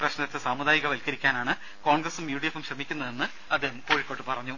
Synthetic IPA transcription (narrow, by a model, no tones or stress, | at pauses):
prɐɕnɐt̪ːesaːmud̪aːjiɣɐʋɐlkɐɾikʲːaːnaːɳɨ | ko̞ːɳɡɾɐsumjuːɖijefːumɕrɐmikʲːunːɐðenːɨ | ɐd̪ːeːɦɐmo̞ːɻikːo̞ːʈːɨpɐrɐɲːu